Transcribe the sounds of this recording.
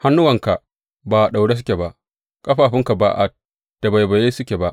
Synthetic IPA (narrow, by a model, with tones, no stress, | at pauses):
ha˦nːʊ˦wɐ˨ŋka˨ | baː˨ɗa˨wɽe˦s̬ʊ˦kʲe˨ba˨ʔ | kʼɐ˦ɸaː˨ɸɪ˦ŋka˨ba̰ː˦˨ʔa̰˦t̚ | d̥a˨ba˨jba˨je˦sʊ˦kʲe˨ba˦ʔ